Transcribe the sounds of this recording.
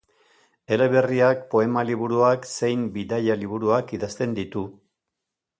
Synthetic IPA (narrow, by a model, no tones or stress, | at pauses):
e̞leβe̞riak̚po̞e̞maliβuɾuakse̞jmbiðajaliβ̞uɾuakiðast̪e̞nd̪it̪u